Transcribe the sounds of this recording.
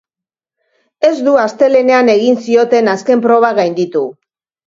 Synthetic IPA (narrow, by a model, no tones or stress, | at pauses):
e̞zd̪uast̪e̞le̞ne̞ane̞ɣ̞insio̞t̪e̞naske̞mpɾo̞β̞aɣajnd̪it̪u